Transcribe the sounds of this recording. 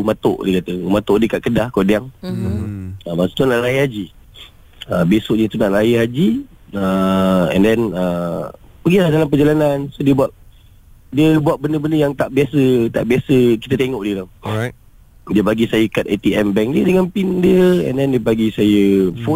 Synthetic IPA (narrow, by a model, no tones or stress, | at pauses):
mãt̪ʊ̰ʔdiəkat̪əmãt̪ʊʔdiəkaʔkədahkodiaŋ | əmasu̥t̪unãʔlaiɦad͡ʒi | əbesoʔɲət̪unaʔlajiɦad͡ʒi | əɛ̰ndɛnə | pəɡilahdalamp̬əd͡ʒalanansodiəbuaʔ̚ | diəbuat̪̚bəndəbəndəjaŋt̪aʔbiasət̪a̰ʔbiasəkit̪ət̪eŋɔʔdiəla | diəbaɡisajəkat̪̚et̪iɛmbɛŋdiədəŋanpindiəɛ̰ndɛndiəbaɡisajəfo